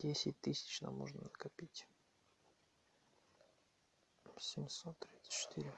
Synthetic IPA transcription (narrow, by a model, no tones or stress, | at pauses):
dʲesʲɪtʲt̪ɨsʲɪ̥t͡ɕna̰mo̰ʐnənəkapʲitʲ | sʲɪmʲsot̪ːɾʲit̪sə̥t͡ɕɪ̥t̪ʰɨɾʲɪ